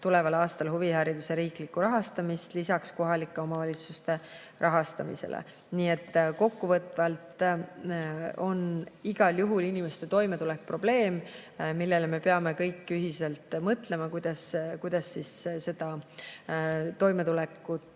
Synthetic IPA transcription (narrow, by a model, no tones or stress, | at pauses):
t̪ule̞vɑlɑːst̪ɑlɦuvihæɾid̪̥useɾiːklikːˑuɾɑɦɑst̪ɑmist̪lisɑksko̞ɦɑlikːˑeo̞mɑvɑlʲit̪sust̪e̞ | rʔɑɦɑst̪ɑmḭsḛlʔḛ | niːet̪ːko̞kːuvɤt̪ːˑvɑlt̪ | o̞niɡ̥ɑljuɦulinimest̪e̞t̪o̞jme̞t̪ulek̚pro̞b̥le̞ːmmilːe̞leme̞peɑme̞kɤjkːˑyɦiselt̪mɤt̪le̞mɑkujd̪̥ɑskujd̪̥ɑsːisse̞d̪̥ɑ | t̪o̞jme̞t̪ulekːu